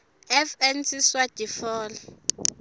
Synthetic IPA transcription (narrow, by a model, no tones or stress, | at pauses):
ɛfɛnsʰʼiswad̥ʱifɔːl